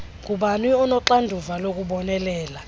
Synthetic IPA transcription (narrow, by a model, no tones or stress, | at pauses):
kʼuɓanwiɔnɔǁandʱuvalok̬ʼuɓɔnɛlɛːla